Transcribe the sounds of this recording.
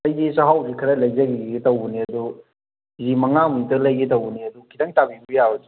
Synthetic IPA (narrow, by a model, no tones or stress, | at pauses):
ɐjd͡ʒisaɦawdikʰɐɾɐlɐjzɐɡiɡiɡitɐwbuniɐdu | zimɐŋamudɐlɐjɡitɐwuniɐdukʰidɐŋtabibujabɐdi